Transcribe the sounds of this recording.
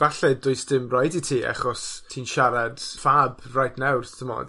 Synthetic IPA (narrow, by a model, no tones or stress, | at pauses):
b̥aɬɛdʊɨsd̥ɪmrajditʰiːa̰χɔstʰiːnʃaɾad̥fab | rajdnɛwrtʰəmɔ̰d